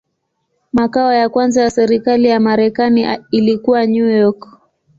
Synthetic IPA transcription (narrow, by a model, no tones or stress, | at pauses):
makaɔjakwanzajasɛɾikalijamaɾɛkaniːlikuwaɲujɔk